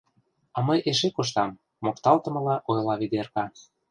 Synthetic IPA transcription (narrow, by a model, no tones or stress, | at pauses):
ɑmɤjʔeʃekoʃ̬t̪ɑmː | okt̪ɑlt̪ə̆mɤ̆lɑʔojlɑβid̪erkɑ